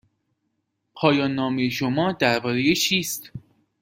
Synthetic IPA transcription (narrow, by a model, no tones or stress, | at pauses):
pʰɒːjɒːnːɒːmejeʃo̞mɒːd̪æɾbɒːɾejet͡ʃʰiːst̪